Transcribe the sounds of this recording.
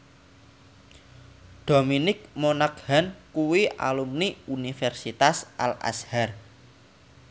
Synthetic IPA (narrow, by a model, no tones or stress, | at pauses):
d̪̥o̤minɪk̚monakhankuwiʔa̰lumniunifɛrsit̪asʔa̰la̰shar